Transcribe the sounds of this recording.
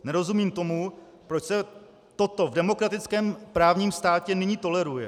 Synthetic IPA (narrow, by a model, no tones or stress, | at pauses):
nɛɾo̞zumiːmt̪o̞mu | pɾot͡ʃsɛ | t̪o̞t̪o̞vdɛmo̞kɾat̪ɪt͡skɛːmpɾaːvɲiːmst̪aːcɛnɪɲiːt̪o̞lɛɾujɛ